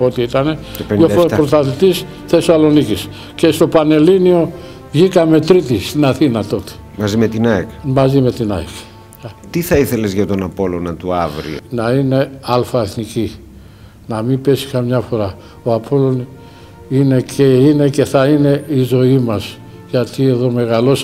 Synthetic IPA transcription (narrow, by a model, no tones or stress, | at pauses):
o̞t̪iit̪ɐne̞ | pofpɾost̪ɐθit̪is | θe̞sɐlo̞nicis | ce̞st̪o̞pɐne̞linio̞ | vʝikɐme̞t̪ɾit̪ist̪inɐθinɐt̪o̞t̪e̥ | mɐzimet̪inaekmɐzime̞t̪inɐ̰ek | t̪iθɐiθe̞le̞zʝɐt̪o̞napo̞lonɐt̪uavɾḭnɐine̞ɐlfɐeθnici | nɐmipe̞si̥kɐmɲɐfo̞ɾɐ | oapʰo̞lo̞n | ine̞cʰeine̞ce̞θɐine̞izo̞imɐz̥ | ʝɐt̪ie̞ðo̞me̞ɣɐlo̞s